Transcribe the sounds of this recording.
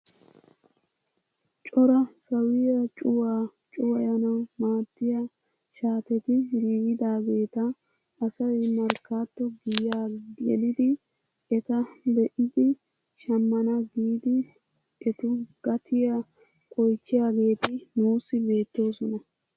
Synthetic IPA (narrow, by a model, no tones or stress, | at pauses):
t͡ʃʼɔɾɐsɐwɪjɐt͡ʃʼʊwaːt͡ʃʼʊwɐjɐnɐwmaːt̪ːɪjɐ | ʃaːt̪ɛt̪ɪɾiːɡɪd̪aːɡe̞ːt̪ɐː | sɐwɛmɐɾkaːt̪ːɔɡɪjaːɡɡɛ̰lɪd̪ɪ | ɛt̪ɐd̪ɛʔɪd̪ɪ | ʃɐmːɐnɐɡiːd̪ɪ | ɛt̪ʊɡ̥ɐt̪ʰɪja | kʼɔjt͡ʃːɪjaːɡe̞ːt̪ɪnuːsːɪbe̞ːt̪ːo̞ːsɔnɐ